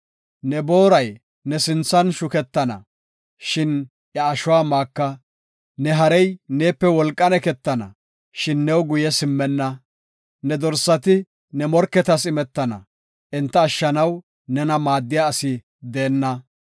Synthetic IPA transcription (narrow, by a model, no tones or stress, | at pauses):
nɛbo̞ːɾɐj | nɛsɪnt͡sːɐnʃʊkɛt̪ːɐnɐ̰ | ʃɪn | jɐːʃʊwaːmaːkːɐ | nɛɦɐɾɛjne̞ːpːɛwɔlkʼːɐnɛkɛt̪ːɐnɐ̰ | ʃɪnːɛwɡʊjɛsɪmːɛnːɐ | nɛd̪ɔɾsɐt̪ɪ | nɛmɔɾkːɛt̪ɐsɪmɛt̪ːɐnɐ̰ | ʔɪnt̪ːɐːʃːɐnɐw | nɛnɐmaːd̪ːɪjaːsɪ | d̪e̞ːnːɐ